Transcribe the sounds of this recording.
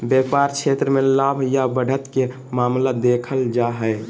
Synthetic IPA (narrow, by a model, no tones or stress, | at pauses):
bjepaɾkʰet̪ɾəmelabʱjabəɽʱət̪ke | mamlad̪ekʰəld͡ʒaɦəj